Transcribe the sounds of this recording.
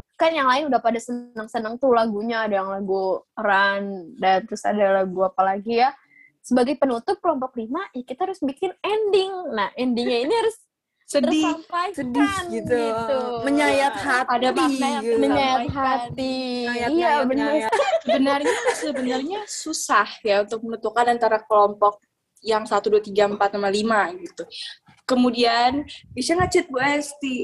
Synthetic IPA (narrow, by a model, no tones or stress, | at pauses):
kanjaŋlaɪnudapadasənəŋsənəŋt̪ulaɡuɲaːdajaŋlaɡuɾandant̪əɾʊsa̰dalaɡuapalaɡija | səbaɡajpənut̪ʊp̚kəlɔmpɔk̚limajakit̪ahaɾʊsbikɪnɛndɪŋnahɛndɪŋɲainihaɾʊs | əɾsampajsədiɡit̪uuməɲajat̪̚hatpadaiməɲajat̪ɦat̪iijabənasəbənarɲasəbənarɲasusahjaunt̪ʊk̚mənət̪ukanant̪aɾakəlɔmpɔk̚ | jaŋsat̪uduat̪iɡaəmpat̪̚namanlimaɡit̪u | kəmudianbisaŋat͡ʃɪt̪̚buast̪i